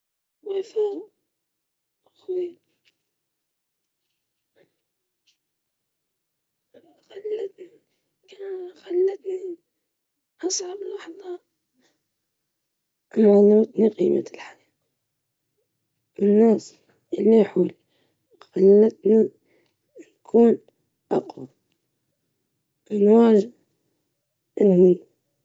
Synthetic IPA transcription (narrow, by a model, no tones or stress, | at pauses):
wefa | xwi | xalːat̪ni | kanxalːat̪ni | ʔɑsˤʕɑblɑħðˤɑ | ʔmalut̪niqḭːma̰lħaɾiːq | ʔɪnːaːs | ʔɪlːiħul | xalːat̪ni | nkʰuːn | ʔɑqwa | mɪnwaːd͡ʒ | ʔɪnhi